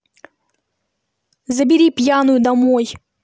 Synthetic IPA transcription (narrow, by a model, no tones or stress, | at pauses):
zɐbʲiɾʲipʲjanʊjʊd̪ɐmɔj